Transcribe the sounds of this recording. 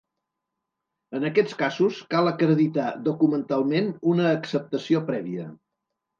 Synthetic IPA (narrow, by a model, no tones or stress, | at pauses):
ənəkɛt͡skazuskalˠəkɾəðit̪aðukumənt̪alˠmenunəːksəp̚t̪əsiopɾɛβiə